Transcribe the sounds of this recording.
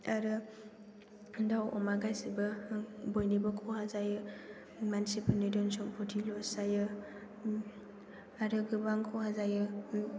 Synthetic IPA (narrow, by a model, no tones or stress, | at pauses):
aɾɯ | dawɔmaɡajsibɐbojnibɐkʰohazajɯ | mansipʰɯnidɔnsɔŋpʰɔtʰilɔsajɯ | aɾɯɡɯbaŋkʰɔhazajɯ